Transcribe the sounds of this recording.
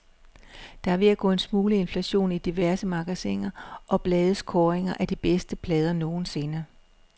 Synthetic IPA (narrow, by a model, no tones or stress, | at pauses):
d̥ɑ̈æɐʋeæɡ̥ɔ̰̽ːe̝nsmuːləe̝nflæɕo̝̰ːnid̥iʋæɐsəmɑ̈ɡ̥æseŋɐʔɒ̽b̥lɛːð̞ˠəskʰɒːeŋɐʔæd̥ib̥esd̥əpʰlɛːð̞ˠɐno̝ːn̩se̝nɐ